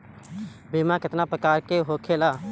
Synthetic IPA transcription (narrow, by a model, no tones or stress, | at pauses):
biːmãkɪt̪napɾəkaːɾkeɦoːkʰeːlaː